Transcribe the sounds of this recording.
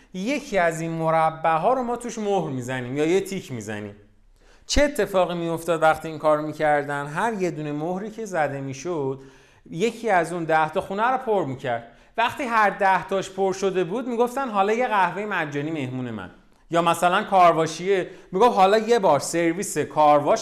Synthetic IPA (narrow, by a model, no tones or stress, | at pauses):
je̞cʰiæzinmoɾæbːæɦɒːɾomɒːt̪ʰuʃmohɾmiːzæniːmjɒːjet̪ʰicʰmizæ̰nḭːm | t͡ʃʰeet̪ʰːe̞fɒːɣimijo̞ft̪ɒːd̪væχt̪ʰiːiːŋkʰɒːɾomiːcʰæɾd̪ænɦæɾje̞d̪uːne̞mohɾiːcʰe̞zæd̪e̞miːʃod̪̥ | je̞cʰiːæzund̪æht̪ʰɒxunæɾopʰoɾmicʰæɾd̪̥̚ | væχt̪iːɦæɾd̪æht̪ʰɒːʃpʰoɾʃo̞d̪e̞buːd̪miːɡo̞ft̪ænɦɒːlɒːje̞ɣæhvejemæd͡ʒːɒːnime̞hmuːne̞mæ̰n | jɒːmæsælænkʰɒːɾvɒːʃijemiɡo̞fɦɒːlɒːje̞bɒːɾse̞ɾviːsekʰɒːɾvɒːʃ